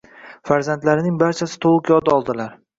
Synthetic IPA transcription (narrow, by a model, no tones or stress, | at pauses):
faɾzant̪laɾɪnɪŋbaɾt͡ʃʰasɪ̥t̪ʰoʁʊkjɒd̪ɒlˠd̪ɪlaɾ